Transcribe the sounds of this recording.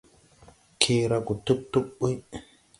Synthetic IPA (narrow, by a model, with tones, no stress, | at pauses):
kʰeːɾaku˨tu˦p̚tːu˦ɓːu˦j